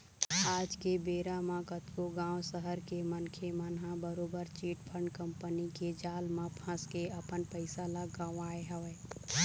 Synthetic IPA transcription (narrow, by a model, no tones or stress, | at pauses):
aːd͡ʒkebeːɾamãkət̪koɡãːʋwsəɦəɾkemənkʰemənɦãbəɾoːbəɾt͡ʃiːʈpʰə̃ɳɖkə̃mpəniked͡ʒaːlmãpʰə̃skeɐpənpəɪsalaɡãːaːeɦɛʋeː